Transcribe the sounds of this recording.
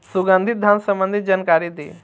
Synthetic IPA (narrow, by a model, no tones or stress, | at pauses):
suɡãnd̪ʱit̪̚d̪ʱansəmbənd̪ʱit̪̚d͡ʒankaɾid̪e